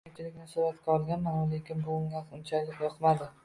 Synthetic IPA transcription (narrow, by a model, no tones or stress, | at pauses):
ɪt͡ʃʰɪlɪkʲnɪsʊɾat̪kʲaɒlˠɡʲanmanalekʲɪnbʊʊŋʲasʊnt͡ʃʰalɪkʲjɒqmad̪ɪ